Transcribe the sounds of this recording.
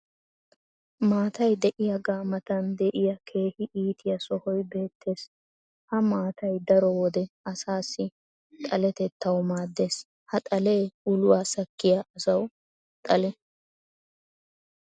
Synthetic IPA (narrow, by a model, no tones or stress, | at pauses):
maːt̪ɐjd̪ɛʔɪjɐɡaːmɐt̪ɐnd̪ɛʔɪjɐkʰe̞ːhɪʔiːt̪ʰɪjɐsɔhɔjbe̞ːt̪ːe̞ːs | hɐmaːt̪ɐjd̪ɐɾɔwɔd̪ɛɐsaːsːɪ | t̪ʼɐlɛt̪ɛt̪ʰːɐwmaːd̪ːe̞ːs | hɐt̪ʼɐle̞ːʊlʊwaːsɐkːɪjɐɐsɐw | t̪ʼɐlɛ